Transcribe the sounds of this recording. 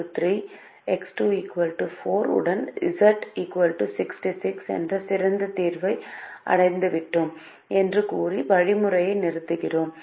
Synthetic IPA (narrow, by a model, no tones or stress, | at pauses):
t̪riː | ɛksʈuːiːkʋɐlʈufoːɾɯ̰ɽɐnɪ̰sɐɾʈiːkʋɐlʈusɪksʈisɪksɛ̰ndrɐsɪɾɐnd̪ɐt̪iːɾʋɐɪʔɐ̰ɽɐɪnd̪ɯʋɪʈːɯm | ɛndrɯkuːriʋɐɻimɯrɐjɐɪnɪɾɯt̪ːɯɣɪroːm